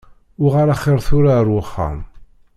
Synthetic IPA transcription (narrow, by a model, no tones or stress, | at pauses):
ʊʁaɾaχɪɾˤθʊɾaɾwəχːa̰m